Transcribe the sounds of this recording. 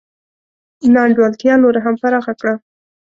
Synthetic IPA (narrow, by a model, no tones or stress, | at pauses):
nɑɳɖwalt̪jɑnoɾaɦampaɾɑxakɽa